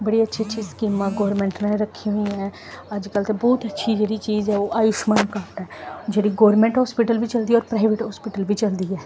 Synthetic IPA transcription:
bəɽiːətːʃʰet͡ʃːʃʰiːskiːmãːɡɔːɾmẽːɳʈneɾəkʰːiɦoĩɛː | əd͡ʒkəlt̪eːbɔːt̪ətːʃʰiːd͡ʒeːɽiːt͡ʃiːzɛːoːʔaːjʊʃmaːnkaːʈɛːd͡ʒeːɽiːɡɔːɾmẽːɳʈɦɔːspiʈəlbiːt͡ʃəld̪iːɔːɾpɾaːɪʋɪʈɦɔːspɪːʈəlbiːt͡ʃəld̪iːɛː

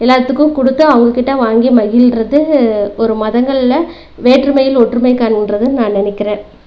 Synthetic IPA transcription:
ɛlːaːt̪ːɯkːɯ̃kɔɽɯt̪ːɯɐʋɐŋɡɐkːɪʈːɐʋaːŋɡimɐjɪlrɐðɯɔɾɯmɐðɐŋɡɐɭɪlɐ | ʋeːʈrɯmɐjɪlɔʈːrɯmɐɪkːaːnɪndrɐðɯnãːnɪnɪkːɪɾẽː

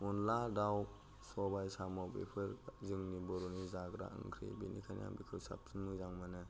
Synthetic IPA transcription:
unladaw | sɔbajsamɔbḛpʰɯɾzɯŋnibɔɾunizaɡɾa̰ɯ̰ŋkʰɾḭbenikʰanja̰ŋbikʰɯsa̰p̚sɯŋmɯzaŋmanɯ

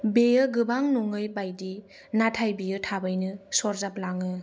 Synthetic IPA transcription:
bejɯɡɯbaŋnuŋɯjbajdi | natʰajbijɯtʰabajnɯsɔɾzap̚laŋɯ

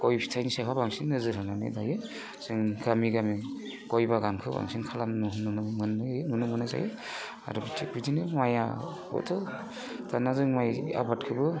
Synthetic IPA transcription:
ɡɔjpʰi̥tʰajnisakʰabaŋsinnːɯzɯɾɯnanḛdajɯ | sɯŋkʰamiɡami | ɡ̥ɔjbaɡankʰɯba̰ŋsinkʰalannunɯnɯmɯnːɯnunɯmɯnɯza̰ji | a̰ɾubitʰik̚bidinɯmaja̰ | bɔ̰tʰɯ | tanazɯŋmaja̰bat̚kʰɯbɯ

